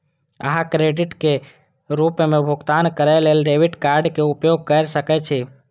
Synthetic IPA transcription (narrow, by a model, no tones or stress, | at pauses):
ə̰ɦãkɾeɖɪʈke | ɾupmẽbʱʊɡt̪ankəɾɛlelɖeʋiʈkaɾɖkeupjoɡ̚kəɾsəkɛt͡ʃʰɛ